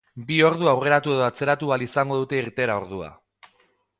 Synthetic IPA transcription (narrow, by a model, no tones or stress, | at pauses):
bio̞ɾð̞uawre̞ɾat̪ue̞ð̞o̞at͡se̞ɾat̪ualisaŋɡo̞ð̞ut̪e̞iɾt̪e̞ɾao̞ɾð̞ua̰